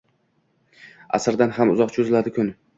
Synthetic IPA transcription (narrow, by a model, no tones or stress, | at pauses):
a̰sɪɾd̪anhamʊzɒqt͡ʃʰʊzlad̪ɪkʰʊn